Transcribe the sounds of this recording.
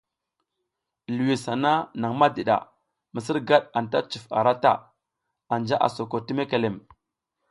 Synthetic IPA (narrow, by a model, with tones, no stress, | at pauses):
lu˨wi˨sa˨na˦na˨ŋma˦di˨ɗa̰˨ | mə˨sə˦ɾɡa˦ɗa˨n˨ta˦t͡ʃi˨fa̰˨ɾa˦ta̰˦ | a˨nd͡ʒa˦ʔa̰˨so˨ko˨ti˦me˦ke˨le˨m